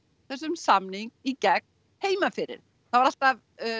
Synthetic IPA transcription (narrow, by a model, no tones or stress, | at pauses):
θɛs̬ːʏmsamniŋk̚icɛk̚ | heːjmafɪɾɪ̰ɾ̥ | θavaɾal̥t̪av